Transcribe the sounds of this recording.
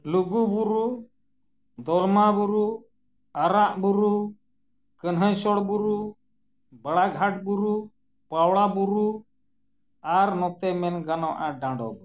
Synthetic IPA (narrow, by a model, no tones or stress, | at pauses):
luɡubuɾu | d̪ɔlmabuɾu | aɾaʔbuɾu | kənɦəjsɔɽbuɾu | bəɽaɡʱaʈ̚buɾu | pawɽabuɾu | aɾnɔt̪ɛmɛnɡanɔwʔaɖãɳɖɔ̰d̪ɔ